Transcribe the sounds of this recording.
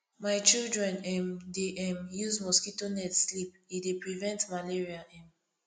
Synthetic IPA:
maɪt͡ʃildɹɛ̃nɛ̃mdeʔɛ̃mjuzmɔskitonɛtslip̚ | idepɹivɛ̃ntmaleɹiaʔɛ̃m

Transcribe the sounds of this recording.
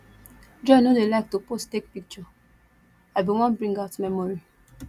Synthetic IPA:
d͡ʒɔnodelaɪk̚tupostek̚pik̚t͡ʃɔ | aɪbĩwɔ̃nbɹĩŋɡaʊtmɛmɔɹi

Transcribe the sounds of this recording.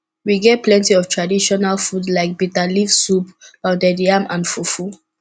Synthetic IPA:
wiɡɛt̚plɛ̃ntiɔvtʰɹadiʃɔnalfudlaɪk̚bitalivsupaʊdɛdiamʔãnfufu

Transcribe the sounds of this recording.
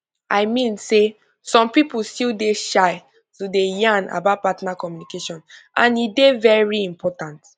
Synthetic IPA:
ʔaɪmĩnse | sɔ̃mpipulstildeʃaɪ | tudejãna̰bat̚patɔnakɔmjunikeʃɔ̃nʔãnidevɛɹiĩmpʰɔtãnt

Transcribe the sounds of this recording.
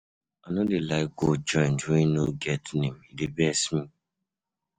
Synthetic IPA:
anɔdelaɡod͡ʒɔj̃ntuinoɡɛtnĩmidebɛsmĩ

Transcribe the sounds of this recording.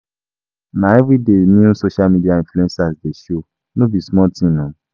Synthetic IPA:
nãɛvɾidenĩũsoʃalmidiaĩfluɛ̃nsasdeʃo | nõbismɔtĩnɔ̃

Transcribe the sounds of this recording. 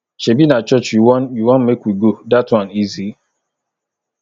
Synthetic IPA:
t͡ʃebinat͡ʃɔt͡ʃjjuwɔ̃nmekwiɡodatwãnizi

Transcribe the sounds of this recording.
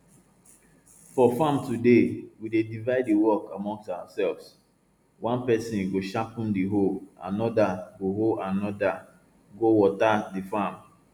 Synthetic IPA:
fɔfãmtudewidedivaɪdiwɔkamɔ̃ŋstawasɛlvs | wʔãnpɛsĩnɡoʃapũndiɦoa̰nɔdaɡoɦoʔanɔda | ɡowɔtadifãm

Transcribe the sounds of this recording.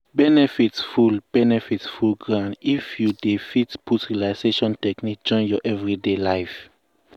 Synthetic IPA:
bɛnɛfitfulb̥ɛnɛfitfulɡɹãndifjudifitpʰutɹilaɪseʃɔ̃ntɛknik̚d͡ʒɔ̃ɪ̃njɔʔɛvɹidelajf

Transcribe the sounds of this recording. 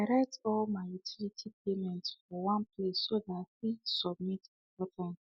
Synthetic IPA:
daɹɛk̚tɔlmajutʰilitʰipemɛ̃ntfɔwãnpʰlesːoðat̚wisɔb̚mit | bɔtʰɔ̃n

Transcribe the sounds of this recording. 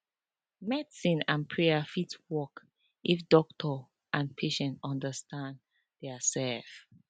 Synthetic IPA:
mɛdsĩnãnpʰɹɛafitwɔk | ʔifdɔk̚tʰɔ | ʔãnpʰeʃɛ̃ntɔ̃ndəstãn | ðɛsɛlf

